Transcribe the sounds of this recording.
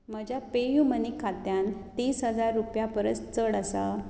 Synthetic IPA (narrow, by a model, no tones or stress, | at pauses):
məd͡ʑjapejumənikʰːat̪jant̪iːsɦəd͡zaɾːupjapəɾət͡st͡səɽəsa̰